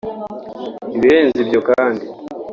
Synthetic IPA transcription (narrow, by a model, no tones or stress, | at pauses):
niβiɾeːnzibjokaːndi